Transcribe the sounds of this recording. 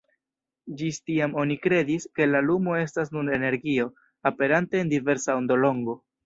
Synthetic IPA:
d͡ʒistiamo̞nikɾe̞diske̞lalumo̞e̞stasnuɾe̞ne̞ɾɡio̞ | ape̞ɾante̞ːndive̞ɾsaond̪o̞lo̞ŋɡo

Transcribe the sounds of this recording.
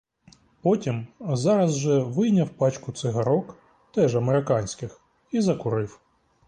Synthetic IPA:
pɔtʲimzɑɾɐzʒɛʋɪjnʲɐwpɑt͡ʃkʊt̪sɪɦɐɾɔk | t̪ɛʒɐmeɾɪkɑnʲsʲkɪx | izɐkʊɾɪw

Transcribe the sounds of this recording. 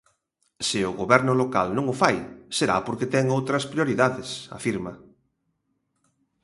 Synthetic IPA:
sɪʊɣoβɛɾnʊloka̰lnõŋʊfajseɾa̰poɾket̪ɛŋowt̪ɾɐspɾjoɾiðaðɪsa̰fiɾmɐ

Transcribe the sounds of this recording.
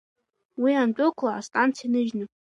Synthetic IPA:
wiant͡pʷʼʊkʷʰlaːstʼant͡sʰijinɨʒnɨ

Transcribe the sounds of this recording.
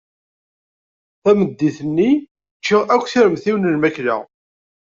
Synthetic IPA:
θæməd̪ːiθənːi | t͡ʃːiʁækʷːθiɾəmθiwənəlmæklæ̰

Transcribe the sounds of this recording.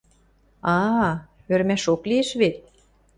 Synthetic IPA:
ɑ | øɾmæʃoklieʃβet̪̚

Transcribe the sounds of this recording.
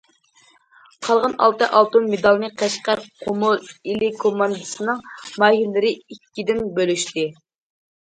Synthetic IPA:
qʰɑlˠʁɑnɑ̰lˠt̪ɨʔɑlˠt̪umːed̪ɑlˠnɨqʰæʃqæɾqʰomulilikʰomɑnd̪ɨsɨnɨŋmɑɦilːɨɾɪikʲːid̪ɪnbølyʃt̪ɪ

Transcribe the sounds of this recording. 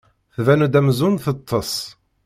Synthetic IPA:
θvænud̪æmzunθət̪ʰˤːəsˤ

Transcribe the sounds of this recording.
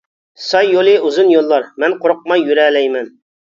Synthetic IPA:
sɑjːolˠɨuzʊnjolˠːɑɾmɛnqoɾʊq̚mɑjːyɾɛlɛjmɛn

